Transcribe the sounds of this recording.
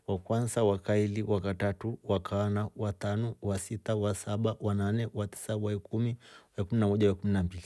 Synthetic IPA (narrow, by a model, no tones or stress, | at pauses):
wakwanzawakailiwakatatuwakanawatanɔwasitawasaɓawananɛwati̥sawaɛkumiwaɛkuminamɔʄawakuminambili